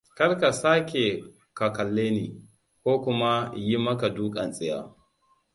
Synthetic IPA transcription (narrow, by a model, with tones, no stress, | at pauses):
kɐ˦rka˨saː˦kʲe˨ | ka˨kɐ˨lːeː˦niː˨ | kʷoː˦kʷʊ˦ma˦ji˦mɐ˦ka˨duː˦kʼɐ˨nsʼɪ˦ja̰ː˨